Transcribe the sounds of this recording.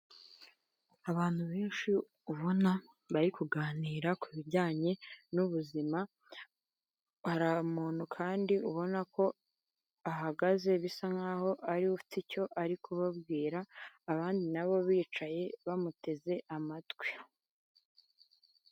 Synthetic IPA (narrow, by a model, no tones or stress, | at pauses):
aβaːn̥huβe̞ːnʃi | uβo̞na | βaɾikuɡaːniːɾakuβiɾɟaːɲe̞nuβuzima | haɾamuːn̥hukʰaːndiʔuβo̞nako̞ | aɦaɡaze̞βisaŋaːho̞ʔaɾiufi̥tico̞ʔaɾikuβabɡiːɾaːβaːndinaβo̞βiːt͡ʃaje̞βamute̞ze̞ʔamatɡwi̥